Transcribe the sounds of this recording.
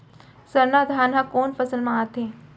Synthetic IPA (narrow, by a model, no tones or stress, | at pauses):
sɐɾnaːd̪ʱaːnɦãkoːnfɐsəlmãat̪ẽː